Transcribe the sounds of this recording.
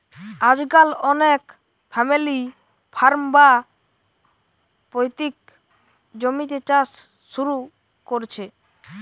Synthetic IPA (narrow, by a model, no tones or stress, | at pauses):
ad͡ʑɡalɔnek | pʰɛmili | pʰaɾmba | pojt̪ik̚ | d͡ʑomit̪et͡ɕasː | uɾu | koɾt͡ɕʰe